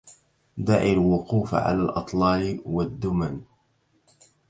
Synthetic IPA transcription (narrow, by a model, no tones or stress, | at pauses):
d̪aʕilwʊquːfʕa̰laːlʔɨ̰t̪ˤlɑːlwad̪ːʊman